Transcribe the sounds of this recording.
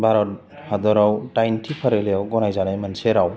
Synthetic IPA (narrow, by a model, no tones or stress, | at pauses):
baɾɔ | had̪ɔɾawʈajntʰipʰaɾelejawɡɔnajzanajmanseɾaw